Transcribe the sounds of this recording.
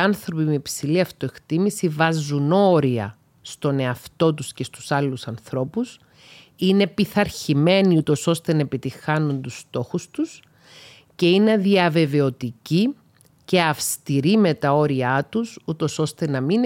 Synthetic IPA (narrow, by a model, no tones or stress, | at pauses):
ɐnθɾo̞pimepsiliɐft̪o̞e̞kt̪imisivɐzuno̞ɾiɐ | st̪o̞ne̞ɐft̪o̞t̪usce̞st̪u̥sɐlusɐnθɾo̞pus | ine̞piθɐɾçime̞niut̪o̞so̞st̪e̞nɐepit̪ixɐnunt̪ust̪o̞xust̪us | ce̞ine̞ðiɐve̞ve̞o̞t̪ici | ce̞ɐfst̪iɾime̞t̪ɐo̞ɾiɐt̪usut̪o̞so̞st̪e̞nɐmin